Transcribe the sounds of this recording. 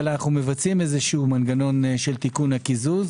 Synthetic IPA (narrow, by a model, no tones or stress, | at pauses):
naχume̞vat͡simezeʃumanɡano̞nʃe̞lt̪ikunhakizuz